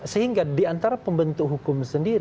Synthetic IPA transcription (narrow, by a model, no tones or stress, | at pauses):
səhiŋɡadiant̪aɾapəmbənt̪ʊkɦukkʊmsəndiɾ